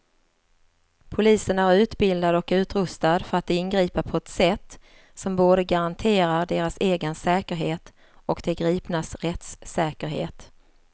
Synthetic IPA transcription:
pʰʊliːsənæɾʉ̟ːt̪bɪld̪ad̪ɔkʉ̟ːt̪ɾɵst̪ad̪fœɾat̪̚d̪ɛɪnɡɾiːpəpʰɔɛt̪sɛt̪ː | sɔmboːd̪əɡaɾant̪ʰeːɾaɖeːɾaseːɡənsɛːkəɾɦeːt̪ | ɔkd̪ɛɡɾiːpnasɾɛt̪sːɛːkəɾɦḛːt̪

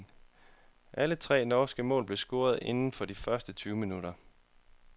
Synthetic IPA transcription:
ʔælət͡sʰʁɛ̰ːnɒːsɡ̥əmɔ̰̽ːlb̥le̝sɡ̥o̝ːɐð̞̩ˠe̝nn̩fɒ̽d̥ifɶɐsd̥ət͡sʰyːʊminuɾ̥ɐ

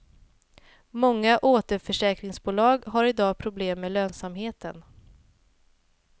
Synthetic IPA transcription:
mɔŋːaʔoːt̪əɾfœʂɛːkɾɪŋsbuːlɑːɡɦaɾɪd̪ɑːpʰɾʊbleːmːeːløːnsamɦeːt̪ə̰n

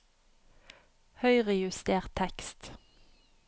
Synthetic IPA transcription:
hœʏʁɛjʉst̪eːʁt̪ʰːɛkst̪

